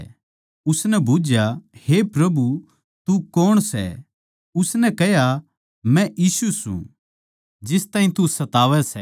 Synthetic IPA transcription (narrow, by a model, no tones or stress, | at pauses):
ʊsnɛbʱuːd͡ʒjahepɾɐbu | t̪ukɔːɽ̃sɛ̰ | ʊsnɛkɛɦja | mɛ̃ʔiːsusṵ̃ | d͡ʒɪst̪ãːĩt̪usɐt̪aːʋɛsɛ